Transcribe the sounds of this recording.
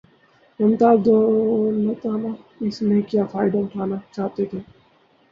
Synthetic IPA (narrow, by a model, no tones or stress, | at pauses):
əmt̪aːd̪oːnət̪aːnaː | ɪsnẽːkɪjaːfaːɪɖəmʈʰaːnaːt͡ʃaːt̪eːt̪ʰeː